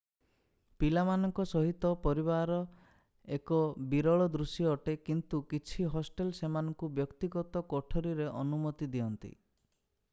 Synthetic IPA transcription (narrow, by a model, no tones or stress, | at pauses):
pilamanɔŋkɔsɔɦit̪ɔpɔɾiβaɾɔ | ekɔbiɾɔɭɔd̪ɾusjɔːʈekint̪ukit͡ʃʰiɦɔsʈelsemanɔŋkubjɔkt̪iɡɔt̪ɔkɔʈʰɔɾiɾeʔɔnumɔt̪id̪iɔnt̪ḭ